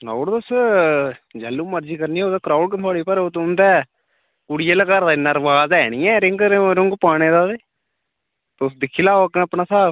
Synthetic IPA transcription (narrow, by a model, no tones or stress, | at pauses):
na̰ːɽd̪ʊs | d͡ʒɛːlːuːməɾd͡ʒiːkəɾniːoːd̪aːkɾaːʊɽkt̪ʰʊaːɽiːpəɾoːt̪ʊnd̪ɛː | kʊɽɪjeːləkaɾd̪aɪnːaɾʋaːzɛːñiːɛ̃ːɾɪŋɡɾɾʊŋɡpaːɽ̃eːd̪aːd̪eː | t̪eʊsd̪ɪkʰːiːlaːokːnəpɳaːsaː